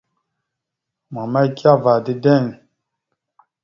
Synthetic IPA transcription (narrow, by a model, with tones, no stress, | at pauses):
ma˨ma˦i˦ka˦va˨di˦dɛ˦˨ŋ˨